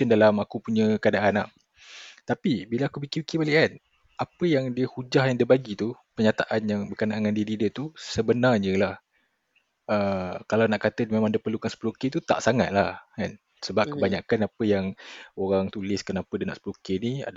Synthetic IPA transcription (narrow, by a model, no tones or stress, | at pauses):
əndalamakupuɲəkəadaʔana̰ʔ | t̪apibilaakupikipikibaliʔkan | apəjaŋdiəhud͡ʒahjaŋdiəbaɡit̪u | pərɲat̪aʔanjaŋbəkənaʔŋandiədidət̪usəbənarɲəlah | əkalawnaʔkat̪əmẽmãŋdiəpərlukansə̥pəluket̪ut̪a̰ʔsaŋa̰t̪̚lahkan | səbap̚kəbaɲakanapəjaŋoɾaŋt̪ulɪskənapədəna̰ʔsə̥pəlukenia̰d